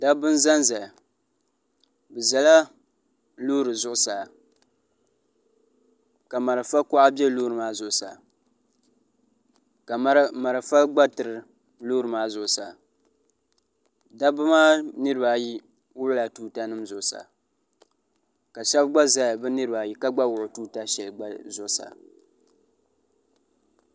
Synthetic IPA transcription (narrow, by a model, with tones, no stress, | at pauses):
da˦bɨ˦nza˦nza˨ | bɨ˨za˨la˦ | loː˦ɾɨ˨zʊ˨ʔʊ˨sa˨ | ka˨ma˨ɾa˨fa˦kʊ˦ʔa˦bɛ˦loː˦ɾɨ˨maː˦zʊ˨ʔʊ˨sa̰˨ | ka˨˦ma˨ɾa˨fa˦ɡ͡ba˦tɨ˨ɾɨ˨ | loː˦ɾɨ˨maː˦zʊ˨sa˨ | da˦bɨ˦maː˦nɨ˦ɾɨ˨ba˨ji˦ | wʊ˦ʔʊ˦la˨tuː˦ta˦nɨ˦mzʊ˨sa̰˨ | ka˨ʃɛ˦bɡ͡ba˦za˦jbɨ˦nɨ˦ɾɨ˨ba˨ji˦ka˦ɡ͡ba˦wʊ˨ʔʊ˨tuː˦ta˦ʃɛ˨lɡ͡ba˦zʊ˨˦sa̰˨